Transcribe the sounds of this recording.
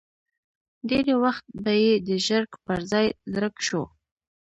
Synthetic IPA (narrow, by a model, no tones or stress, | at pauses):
d̪eɾewaxt̪̚bajed̪əʒəɾkpəɾzɑjzɾəkʃṵ